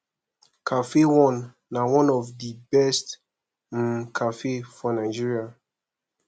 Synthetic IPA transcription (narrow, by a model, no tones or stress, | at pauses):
kʰafewɔ̃nː | awɔ̃nɔvdibɛst | kʰafefɔnaɪd͡ʒiɹia